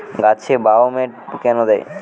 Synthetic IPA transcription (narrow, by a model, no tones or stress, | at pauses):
ɡat͡ɕʰebaomeʈ̚kɛnod̪ej